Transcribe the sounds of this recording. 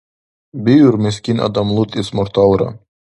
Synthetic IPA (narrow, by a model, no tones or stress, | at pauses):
bijuɾmeskʲinɑ̰d̪ɑmlˠut̪ismɔɾt̪ɑwɾɑ̰